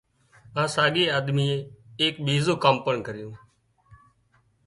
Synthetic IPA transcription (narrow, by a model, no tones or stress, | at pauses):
ãːsaːɠeːaːd̪miːẽːeːkɓiːzõːkaːmpəɳkəɾɪjõː